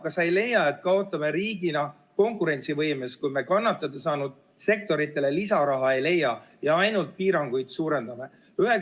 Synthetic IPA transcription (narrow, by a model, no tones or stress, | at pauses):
kɑsɑjle̞jːɑet̪kɑo̞t̪ːˑɑme̞ɾiːɡinɑ | ko̞ŋkˑuɾe̞nʲsivɤjmeskujme̞kɑnːɑt̪ːˑɑd̪esɑːnud̪̥ | se̞k̚t̪o̞ɾit̪ːˑe̞le̞lisɑɾɑɦɑe̞jle̞jːɑjɑɑjnult̪̚piːɾɑŋɡ̥ujd̪̥suːɾe̞nd̪̥ɑme̞ | yɦe